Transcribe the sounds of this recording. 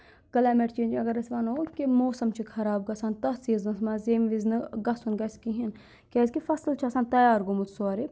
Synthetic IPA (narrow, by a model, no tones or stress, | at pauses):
kɐlaːmeʈt͡ʃeːnd͡ʒɐɡɐɾɐsʲʋɐːnounkemoːsɐmt͡ʃʰikʰɐɾaːb̚ɡɐsaːnt̪ɐsiːznɐsmɐzeːmʋiznɨɡɐsunɡɐskiɦin | kʲeːzʲkifɐslt͡ʃʰasaːnt̪ɐjaːɾɡomut̪ʰsoaːɾi